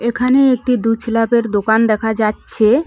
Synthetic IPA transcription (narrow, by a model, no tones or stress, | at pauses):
ekʰaneek̚ʈid̪ut͡ɕʰlapeɾd̪okand̪ɛkʰad͡ʑatːɕʰe